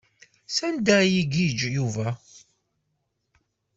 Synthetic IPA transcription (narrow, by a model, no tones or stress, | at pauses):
sænd̪æjiɡid͡ʒjuvæ